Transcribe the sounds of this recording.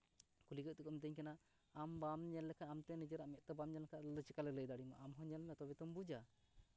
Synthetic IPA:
kuliɡəʔ̚t̪ɛkɔmit̪əɲkanaː | mbamɲɛlːɛkʰaamt̪ɛnid͡ʒəɾaʔmɛʔ̪̚ˀt̪ɛbamɲɛlɛkʰaɔd̪ɔt͡ʃɛkalɛləjd̪aɽima̰ʔamɦɔ̃ɲɛlnɛt̪ɔbɛt̪ɔmbud͡ʒa

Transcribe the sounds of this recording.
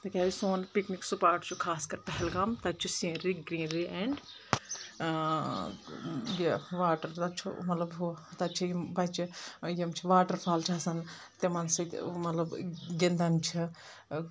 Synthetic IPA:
t̪ɐkʲaːisoːnpikniksupaːɾʈt͡ʃʰukʰaːskɐɾpɛɦɛlɡamt̪ɐt͡ʃʰusĩːnɾiɡɾĩːnɾiʔeɳɖ | jeʋaːʈɐɾt̪ɐt͡ʃʰṵmɐt̪lɐbɦut̪ɐt͡ʃʰijmbɐt͡ʃijɐmt͡ʃʰiʋaːʈɐɾpʰaːlt͡ʃʰasɐn | t̪emɐnsɐt̪mɐt̪lɐbɡind̪ɐnt͡ʃʰi

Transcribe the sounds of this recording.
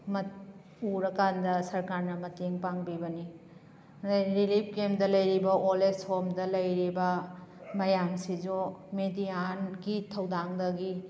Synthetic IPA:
mɐt | uɾɐkandɐsɐɾkaɾnɐmɐteŋpaŋbibɐni | ɾilip̚kemdɐlɐjɾibɐʔoleshomdɐlɐjɾibɐmɐjamsid͡ʒomedijanɡitʰɐwdaŋdɐɡi

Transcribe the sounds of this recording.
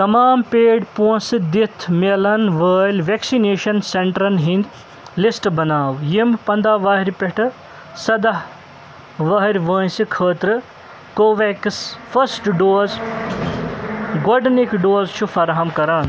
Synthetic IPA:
t̪ɐmaːmpeːɖpuɐ̃sɨd̪it̪ʰmelɐnʋəːlʲʋeksineːʃɐnseɳʈɾɐnɦĩnd̪ʲ | lisʈbɐnaːwjimpɐnd̪aːʋaːɦɾʲpeʈʰɨ | sɐd̪aɦ | ʋɐːɦɾʲʋəːnsikʰəːt̪ɾɨ | koːʋeksfʰɐsʈɖoːz | ɡoɖnikɖoːzt͡ʃʰufʰɐɾɦɐmkɐɾaːn

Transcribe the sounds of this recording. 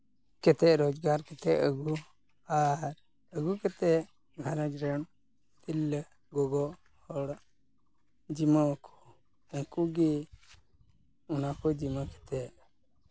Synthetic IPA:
kɛt̪ɛɾɔd͡ʒɡaɾkɛt̪ɛʔəɡu | aɾ | əɡukɛt̪ɛ | ɡʱaɾad͡ʒɾəɳ | t̪ilː | ɡɔɡɔ | hɔɽ | d͡ʒimɔkʰɔ̥ | ɛŋkuɡi | unakɔd͡ʒimakɛ̥t̪ɛʔ

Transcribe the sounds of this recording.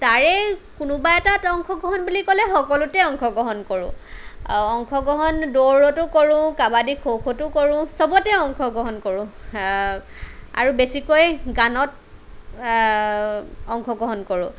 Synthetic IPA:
taɹɛkʊnʊbaɛtatɔŋkʰɔɡɔɦɔnbulikɔlɛxɔkɔlʊtɛɔŋkʰɔɡɔɦɔnkoɹʊ̰̃ | ɔŋkʰɔɡɔɦɔndoɹɔtʊkɔɹʊ̃kabadikʰowkʰotʊkoɹʊ̃sɔbɔtɛɔŋkʰɔɡɔɦɔnkoɹʊ̃ | a̰ɹubesikojɡanɔt | ɔŋkʰɔɡɔɦɔnkoɹʊ̰̃

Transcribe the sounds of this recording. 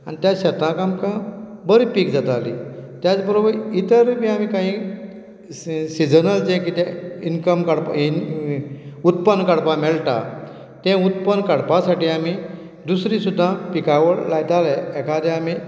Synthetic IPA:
a̰nit̪jaɕət̪ãkamkãbəɾipiːkd͡zat̪alḭt̪jat͡sbəɾobəɾit̪əɾpiamĩkãɦĩ | sid͡zənəld͡ʑɛ̃kit̪ainkəmkaɽpain | ut̪pənːkaɽpãmɛɭt̪a̰ | t̪ɛ̃ut̪pənkaɽpãsaʈiːami | d̪usɾĩsud̪ʱːãpikaʋəɽlajt̪alɛɛkʰad̪ɛ̃ami

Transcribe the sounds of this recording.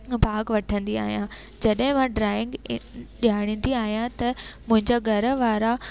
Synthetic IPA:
bʱaːɡʋɐʈʰə̃nd̪ia̰ːɦijã | d͡ʑɐɗɦɪ̃mãɖɾaːɪ̃ŋɡɗiaːɽ̃ə̃nd̪iaːɦijãt̪ɐmʊ̃ɦɪ̃ɲd͡ʑaɡʱɐɾə̆ʋaːɾa

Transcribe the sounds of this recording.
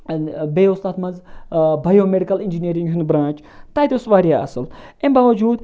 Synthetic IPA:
beːʊst̪aːt̪mɐnzbɐjoːmeɖikɐlind͡ʒiniːɾĩŋɡɦɪnbɾãːt͡ʃ | t̪aːt̪osʋaːɾijaɐ̰sɨlẽmbaːʋɐd͡ʒuːd̪

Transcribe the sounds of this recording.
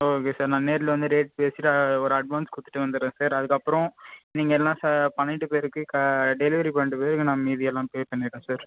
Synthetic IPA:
oːkeːsaːɾnãːneːɾɪlɐʋɐnd̪ɯɾeːʈ̚peːsɪʈːɔɾɯɐɖʋaːnskʊt̪ːɪ̥ʈːɯʋɐnd̪ɯɾẽːsaːɾɐðɯkːɐpːɯɾɔ̃niːŋɡɐɛlːãːsapɐɳːɪʈːɯpeːɾɯkːɯkɐɖɛlɪʋɐɾipɐɳːɪʈːɯpeːɾɯkːɯnãːmiːðɪjɐlːãːpeːspɐɳːɪɽẽːsaːɾ

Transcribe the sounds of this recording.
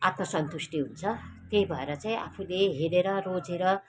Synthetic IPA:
at̪mʌsʌnt̪usʈiɦunt͡sʰʌt̪ejbʱʌeɾʌt͡saĩa̰pʰuleɦeɾeɾʌrod͡zeɾʌ

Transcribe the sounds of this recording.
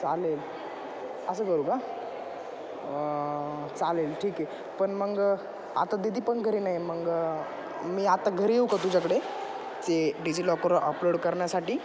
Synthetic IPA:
t͡salel | əs̬əːkəɾuːka | t͡salelʈʰiːke | pəɳməɡ | a̰t̪ad̪id̪ʱiːpəɳɡʱəɾiːnaɦjməɡ | miːat̪aɡʱəɾieukat̪ud͡ʑakəɽe | t͡seɖid͡ʑilɔkəɾʔəploɽkəɾɳjasaʈiː

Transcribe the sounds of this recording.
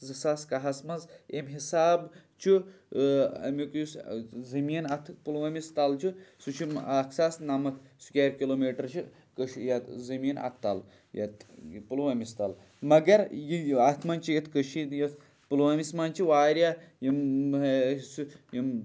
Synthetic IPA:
zɨsaːskɐɦasmɐnzemɦisaːbt͡ʃʰi | ɐ̰mikjuszɐmiːnɐt̪ʰpulʋɐmist̪alt͡ʃʰisut͡ʃʰimakʰsaːsnamɐt̪ʰsu̥kʲeɾkʲiloːmiːʈɐɾt͡ʃʰi | kəʃjɐt̪zɐmiːnɐ̰t̪ʰt̪ːa̰l | jɐ̰t̪pulʋɐmist̪al | mɐɡɐɾjiaːt̪ʰmɐnt͡ʃijɐt̪ʰkəʃinjɐ | pulwɐmismant͡ʃʰiʋaːɾʲjajim | sujim

